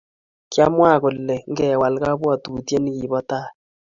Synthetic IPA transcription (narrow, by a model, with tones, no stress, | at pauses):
kja˦mwa˦˨kʊ˨llɛ˨ŋ˦ɡɛ˨wa˨lka˦bwa˦˨tu˨tje˦n˦ki˨βɔ˦ta˦˨